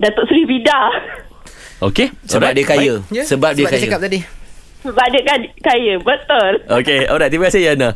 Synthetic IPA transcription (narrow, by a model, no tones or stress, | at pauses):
dat̪oʔsəlibida | okesoɾaʔ̚diəkajəsəbap̚diəkajaəkaadi | səbap̚diəkakajəbət̪ʊlʔokeoɾaʔt̪ibɡasejana